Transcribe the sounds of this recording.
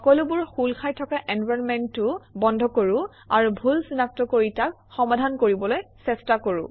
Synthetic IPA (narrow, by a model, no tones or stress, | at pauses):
ɔkɔlʊbʊɹxulkʰajtʰɔkaʔɛnbajmɛntːʊbɔndʱɔkoɹu | a̰ɹubʱulsinak̚tɔkoɹitak̚ | xɔmadʱankoɹibɔlojsɛstakoɹṵ